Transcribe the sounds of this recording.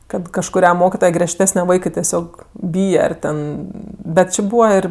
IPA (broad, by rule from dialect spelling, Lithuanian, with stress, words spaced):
ˈkɐt kɐʃkʊˈrʲɛ ˈmoːkʲɪtoːjɛ ɡrʲiɛʃʲˈtʲæːsʲnʲɛ ˈʋɐɪkɜ tʲɛˈsʲoːk ˈbʲiːjɛ ɐr ˈtʲɛn bʲɛt ˈt͡ʃʲɪ ˈbuːʋɐ ˈɪr